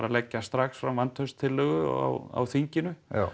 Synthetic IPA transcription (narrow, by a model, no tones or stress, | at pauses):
ɾalɛcːast̪ɾaxsfɾamvant̪ʰœst̪ʰɪlːœɣʏ̰ɣa̰wa̰wθiɲcɪnʏ